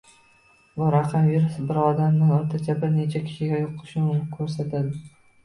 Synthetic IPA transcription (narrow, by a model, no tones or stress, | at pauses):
bʊɾaqʰɑmviɾʊsbɪɾɒd̪amnɪŋɒɾt̪ʰat͡ʃ̪ʰabɪɾne̞t͡ʃʰakʲʰɪ̥ʃɪɡʲajoqʰːɨ̥ʃɪʊnɪkʲʰɵɾsat̪ʰad̪ɪ